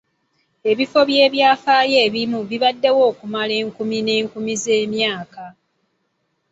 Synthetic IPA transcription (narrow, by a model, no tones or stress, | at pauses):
e̞βifo̞βje̞ːβjaːfaːje̞ːβimuβiβadːe̞wo̞ːkumale̞ːŋkumine̞ːŋkumize̞ːmjaːka